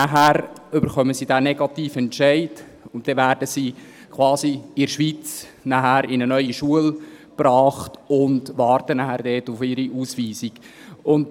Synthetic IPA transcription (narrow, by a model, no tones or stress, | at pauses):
æɦæɾʏbəɾχœməsiːdæːnɛɡɑtiːfɛntʃæɪd | ʊnttːɛʋæːɾdəsiː | kʰʋwɑːziɪɾʃʋiːt͡s | næɦæɾɪnənœʏiʃuəlb̥ɾɑːχtʊndʋɑːrtənæhæɾdɛːtʊfɪɾiʔuːsʋiːziɡ̥ʊnt